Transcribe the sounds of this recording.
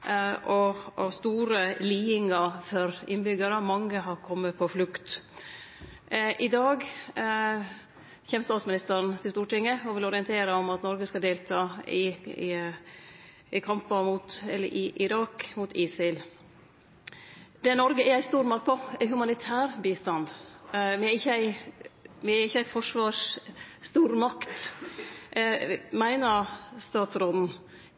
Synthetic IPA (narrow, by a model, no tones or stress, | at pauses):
ʔɔɔ̰st̪uːɾəliːɪŋɑfɔɾɪnbʏɡəɾəmɑŋːəɦɑɾkʰɔmːəpʰɔflʉkt̪ | ʔɪd̪ɑːɡ | çeːmst̪ɑːt̪smɪnɪst̪əɾənt̪ʰɪlst̪uːʈɪŋːəɔʋɪlɔɾɪənt̪ʰeːɾəɔmɑt̪nɔɾɡəskɑld̪eːlt̪ʰɑːɪɪ | ʔɪkʰɑmpɑmʊt̪ɛlːə̰ɾʔɪʔɪɾɑːkmʊːt̪ʰiːsɪl | d̪̥ɛnɔɾɡəʔæɾæɪst̪uːɾmɑkt̪pʰɔæɪɦʉmɑnɪt̪ʰæːɾbiːst̪ɑnd̪ʋɪæɪçːəæɪ | ʋɪæɪçːəæɪfɔʂʋɑːʂst̪uːɾmɑkt̪ | mæɪnəst̪ɑːt̪sɾɔd̪n̩